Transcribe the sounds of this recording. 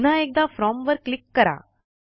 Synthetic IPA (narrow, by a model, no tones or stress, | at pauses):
naek̚d̪afɾɔmʋəɾklikːəɾa̰